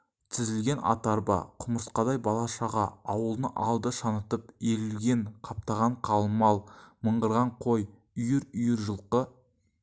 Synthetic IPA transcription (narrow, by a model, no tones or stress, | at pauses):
t̪ʰɪzɪlɡʲe̞nɑ̰t̪ɑɾbɑ̰qʰʊməɾsqɑd̪ɑjbɑlˠɑʃɑʁɑɑwəlˠnəʔɑlˠd̪əʃɑnət̪əpeɾɪlɡʲe̞ɴqʰɑp̚t̪ɑʁɑɴqʰɑlˠmɑlˠməɴʁəɾʁɑɴqʰoj | ʏjɪɾʏjɪɾʒəlˠqə